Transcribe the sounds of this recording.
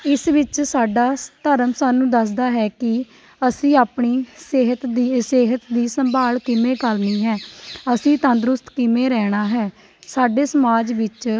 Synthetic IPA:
ɪsʋɪt͡ʃsaːɖaːt̪əɾəmsaːnũːd̪əs̬d̪aːɦɛːkɪ | əsĩːaːpɳiːseɦət̪d̪iseːɦət̪d̪iːsəmbʱaːlkɪmẽːkəlniːɦɛːəsĩːt̪ə̃nd̪ɾʊst̪kɪmẽːɾɛːɽ̃aːɦɛː | saːɖeːsəmaːd͡ʒʋɪt͡ʃ

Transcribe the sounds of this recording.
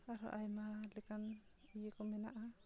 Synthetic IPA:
aɾɔʔajmalɛkanijekɔmɛna̰ʔa

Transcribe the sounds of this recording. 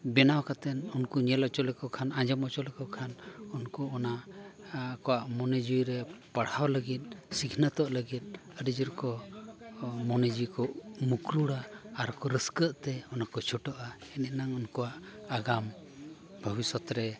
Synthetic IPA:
bɛnawkat̪ɛnunkuɲɛlɔt͡ʃɔlɛkɔkʰanad͡ʒɔmɔt͡ʃɔlɛkɔkʰanunkɔɔna | kɔwaʔmɔnɛd͡ʒujɾɛpaɽ̤awləɡit̪̚ˀsikʰnət̪ɔʔləɡit̪̚ˀəɾid͡ʒəɾkɔ | mɔnɛd͡ʒujkɔʔmukɾuɽaːɾkɔɾəskəʔt̪ɛɔnakɔt͡ʃʰɔʈɔʔaɛnɛnaŋunkɔwaʔaɡam | bʱəbisɔt̪ɾɛ

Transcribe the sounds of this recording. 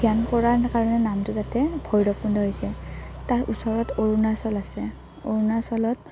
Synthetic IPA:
ɡijankɔɹaɹkaɹɔnɛnamtʊzatɛbʱɔjdɔpundʱɔɦojsɛtaɹṵsɔɹɔtoɹunaɹsɔlasɛ | o̰ɹunaɹsɔlɔt

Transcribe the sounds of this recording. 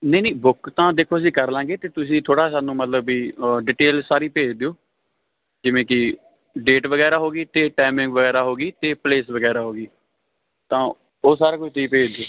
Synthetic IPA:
nəiːnĩːbʊkt̪ãːd̪eːkʰoːəs̬ĩːkəɾlãːɡeːt̪eːt̪ʊsĩːt̪ʰoːɽaːsaːnũːmət̪ləbiːɖiːʈeːlsaːɾiːpeːd͡ʒd̪eːoː | d͡ʒɪʋẽːkɪ | ɖeːʈʋəɡɛːɾaːɦoːɡiːt̪eːʈaːmɪ̃ŋɡʋəɡɛːɾaːɦoːɡiːt̪eːpleːsʋəɡɛːɾaːɦoːɡiː | t̪ãː | oːsaːɾaːkʊt͡ʃʰt̪iːpeːd͡ʒd̪eoː

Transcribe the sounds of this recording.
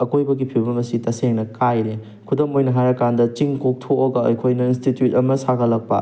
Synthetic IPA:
ɐkojbɐɡipʰibɐmɐsitɐseŋnɐkajɾe | kʰudomojnɐɦajɐkandɐt͡ʃiŋkok̚tʰoːɡɐɐjkʰojnɐinstitjutɐmɐsaɡɐlɐk̚pɐ̰

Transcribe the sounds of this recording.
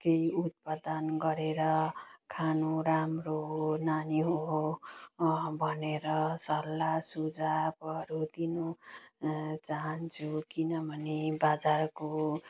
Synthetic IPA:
kejut̪̚pad̪ʌnɡʌɾeɾʌkʰanoɾamroɦonaniɦoɦo | bʱʌneɾʌsʌɾlːasud͡zabʌɾut̪inu | t͡saɦʌnt͡sʰukinʌbʱʌnebad͡zarko

